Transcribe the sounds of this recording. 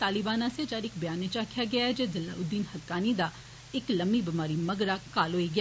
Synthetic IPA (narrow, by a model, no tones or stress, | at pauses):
t̪aːlɪbaːnãːset͡ʃaːɾɪkbɪjaːneːt͡ʃaːkʰjaːɡɪaːɛd͡ʒeːzɪlːa̰ːʊd̪ːiːnhəkːaːniːd̪aː | ɪkləmbiːbɪmaːɾiːməɡɾaːkaːlɦoːiːɡɪaː